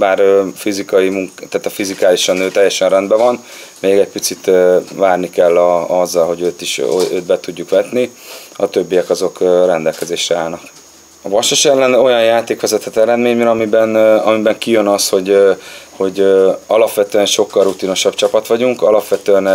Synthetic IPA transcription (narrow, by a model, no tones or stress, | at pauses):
baːrfizikɒjimuŋkt̪aːt̪ɒfizikaːliʃɒnːøːt̪ɛjːɛʃɛnrɛnd̪bɛvɒn | meːɡɛc̚pit̪sit̪ːvaːrnikɛlːɒɒzːɒlho̞ɟøːt̪iʃøːt̪̚bɛt̪uɟːukʋɛt̪niɒt̪øbːijɛkɒzo̞krɛnd̪ɛlkɛzeːʃrɛaːlnɒk | ɒvɒʃoʃɛlːɛno̞jɒnjaːt̪eːkʋɛzɛt̪ʰɛt̪ɛɾɛd̪meːɲmɛɾɒmibɛnɒmibɛŋkijønɒsho̞ɟho̞ɟɒlɒpʋɛt̪øɛnʃo̞kːɒlrut̪ino̞ʃɒbt͡ʃɒpɒt̪ʋɒɟuŋkɒlɒpʋɛt̪øɛn